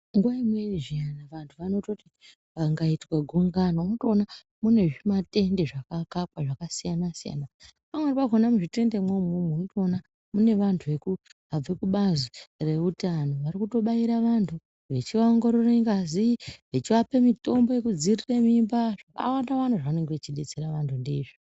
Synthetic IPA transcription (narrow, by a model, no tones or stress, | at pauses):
ŋɡwaimweiʐianaʋantʰuʋano̞toti | ʋaŋɡaitwaɡʱuŋɡanonotoːna | mune̞ʐimate̞nde̞ʐakakapwaʐakasijanasija̰napamweipaɡʱonamuʐite̞nde̞mwemumnotoːna | mune̞ʋantʰuʋe̞kuɦab͡vekuɓazire̞utano̞ʋaɾikuto̞ɓaiɾaʋantʰu | ʋe̞t͡ʃiʋaoŋɡo̞ɾoreŋɡaziʋe̞t͡ʃiʋapemito̞mbo̞je̞kud͡ziriremimbaʐaka̰wandaʋantuʐaane̞ŋɡeʋet͡ʃiɗe̞t͡seɾaʋantʰundeːʐo